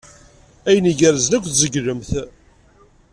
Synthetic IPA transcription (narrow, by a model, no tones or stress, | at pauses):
æjəniʝəɾəzənækʷːθzəɡɾəmθ